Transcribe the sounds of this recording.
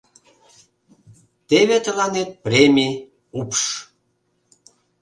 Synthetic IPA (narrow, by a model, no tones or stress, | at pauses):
t̪eβet̪əlɑnet̪̚premʲi | upʃ